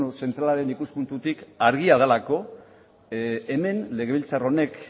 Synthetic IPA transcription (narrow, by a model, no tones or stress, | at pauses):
use̞nt̪ɾalaɾe̞nikuspunt̪ut̪ikaɾɣiaðelako̞ | e̞me̞nle̞ɣeilt͡saro̞ne̞k